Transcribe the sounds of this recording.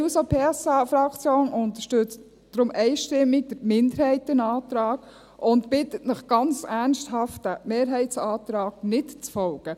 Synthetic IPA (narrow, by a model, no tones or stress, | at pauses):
sopʰeːɛsɑfɾɑkt͡sjoːnʊntəʃtɵt͡st | d̥ɾʊmʔɛɪʃtɪmːiɡ̚d̥əɾmɪndəɾhɛɪtːənɑːt̪ɾɑːɡ | ʔʊntbɪtətnəχɡ̥ɑnt͡sæɾnʃthɑftəmeːɾɦɛɪtsɑːtɾɑːɡ̥nɪtt͡sfɔlɡ̥ə